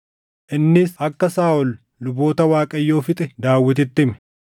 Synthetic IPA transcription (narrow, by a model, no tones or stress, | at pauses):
ʔɪnːɪsɐkːɐsaːʔɔlː | ʊbo̞ːt̪ɐwaːkʼɐjːo̞ːfɪt̪ʼɛd̪aːwːɪt̪̬ɪt̪ːɪmɛ̥